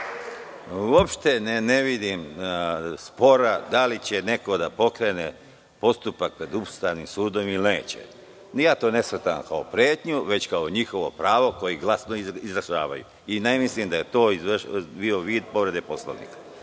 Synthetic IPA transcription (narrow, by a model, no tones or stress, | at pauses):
uo̞pʃt̪enneʋid̪im | spo̞ɾad̪alit͡ɕe̞ne̞ko̞d̪apo̞kɾe̞ːne | po̞st̪upak̚pɾe̞d̪ubst̪aʋnimsuːd̪o̞milne̞̰ːt͡ɕḛ | jaːt̪o̞ːne̞srt̪amkaopɾeːt̪ɲuʋe̞t͡ɕkaoɲixo̞ʋo̞pɾaːʋo̞ko̞jiɡlˠasnoiizɾaʃaːʋa̰jṵ | inemislimd̪aje̞t̪o̞ːizbioʋiːd̪po̞ʋɾe̞d̪epo̞slo̰ʋnḭːkḁ